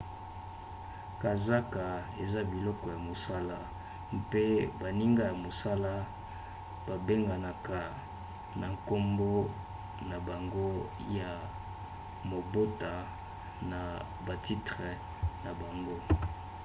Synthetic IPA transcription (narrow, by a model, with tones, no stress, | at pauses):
ka˨za˦ka˨ | e˨za˦bi˨lɔ˦kɔ˨ja˨mo˨sa˦la˦ | mpe˦ba˨ni˦ŋɡa˦ja˨mo˨sa˦la˦ | b̥a˨be˦ŋɡa˨na˨ka˨ | na˨ŋko˦mbo˦ | na˨ba˨ŋɡo˦ | ja˨ | mo˨bo˦ta˨ | na˨ | ba˨ti˦tʁe˨ | na˨ba˨ŋɡo˦